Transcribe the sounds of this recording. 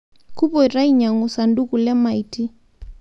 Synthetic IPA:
ku˦pɔ˨i˨ɾa˦i˦ɲa˨ŋu˨sa˨ndu˦ku˨lɛ˦ma˨iti˦

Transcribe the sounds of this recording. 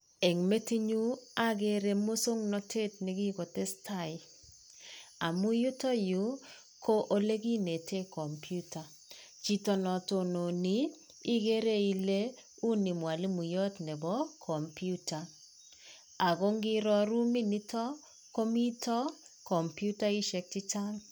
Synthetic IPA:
e˨ŋme˦ti˦ɲu˦a˦ɡe˦ɾe˨mo˦so˦ŋnɔ˦te˦t̚ni˨ɡi˦ko˨tɛ˦sta˦˨ɪ˨ | a˨mu˦ju˦tɔ˦ju˨˦ | kʰo˦ʔo˦le˦ɡi˦ne˨tʰe˦kɔ˨mpju˦ta˨ | t͡ʃi˦tɔ˦nɔ˨to˨no˨ni˦ | i˦ɡe˦ɾe˦i˨le˦ | u˦ni˨mwa˨li˦mu˨jɔ˦tnɛ˨bɔ˦kʰɔ˨mpju˦ta˨ | a˨ɡo˦ŋɡɪ˦ɾɔ˦ɾu˦mi˦ni˦tɔ˦ | ko˦mi˦tɔ˦ | kɔ˨mpju˦ta˦i˦ʃɛ˨k̚ti˦t͡ʃa˦ŋ

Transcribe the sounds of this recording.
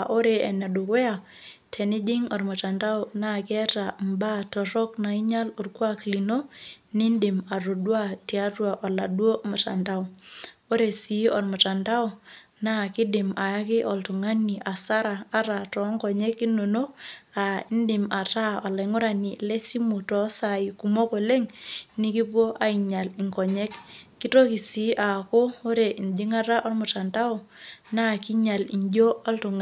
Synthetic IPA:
ʔo˦ɾe˨ɛ˨na˨du˨kwɛ˦a˨ | tʰɛ˨nɪ˦d͡ʒɪ˦ŋɔ˨rmu˨ta˨nda˦ʊ˨na˦˨kɪ˦ɛ˦ta˨mba˦tɔ˨ɾɔ˦kna˨i˦ɲa˦lo˨rkwa˦kli˨no˦nɪ˦ndɪ˨ma˨ɾo˨dwa˦ti˨a˦twa˨ʔɔ˨la˨ɗwo˦mu˨ta̰˨nda˦wo˦ɾe˨si˨ɔ˨rmu˨ta˨nda˦u˨ | na˦˨kɪ˦dɪ˨ma˨ja˦kɪ˦ʔɔ˨ltu˨ŋa˦ni˨ʔa˨sa˦ɾaː˨˦ɾa˨tɔ˨˦ŋkɔ˨ɲɛ˦ki˦no˨no˦a˨i˦ndɪ˨ma˨ta˦ɔ˨lɛ˨ŋʊ˦ɾa˨ni˨lɛ˦si˦mu˨tɔ˨˦sa˨i˨ku˨mo˦ko˨le˦ŋni˦ki˦po˦ʔa˦i˨ɲa˨li˨ŋkɔ˨ɲɛ˦kː | i˦to˦ki˨si˨˦ʔa˨ko˦o˦ɾe˨i˨ndi˦ŋa˦ta˦ʔɔ˦rmʊ˨ta˨nda˦ɔ˨na˦˨ki˦ɲa˨li˨ɲd͡ʒo˦ɔ˦ltu˨ŋ

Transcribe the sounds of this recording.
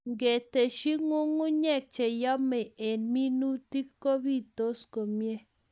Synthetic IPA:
ŋɡe˨te˨ʃi˦ŋu˦ŋu˦ɲɛ˦˨k̚t͡ʃe˨jɔ˦me˨e˨nmi˦nu˦ti˦kːo˦bi˦˨to˦sko˨mje˦

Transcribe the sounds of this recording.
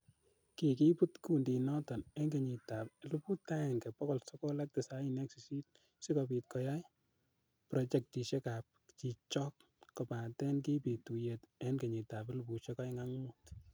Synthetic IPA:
ki˨ki˦pu˦tku˨ndi˨nɔ˦tɔ˨nɛ˦nɡe˨ɲi˨ta˨plupu˦ta˦ɛ˨ŋkɛ˨pɔ˦kɔ˨lsɔ˦ko˦la˦k̚te˨sa˦i˦nɛ˦ksi˨si˦t̚ | si˦kɔpi˨t̚kɔ˨ja˦j | pɾɔ˨t͡ʃɛ˨k̚ti˨ʃe˦ka˨p̚t͡ʃi˨t͡ʃɔ˦kː | ɔ˨pa˨tɛ˦nki˦pi˨tu˨jetɛ˦nke˨ɲi˨ta˨pe˦lupu˨ʃe˦ka˦jŋa˦ŋmut

